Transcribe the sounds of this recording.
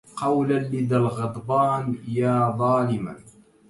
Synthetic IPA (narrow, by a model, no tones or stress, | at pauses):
qɑwlanlɪd̪alɣɑd̪ˤbɑːnjaːðˤɑːlɪma̰n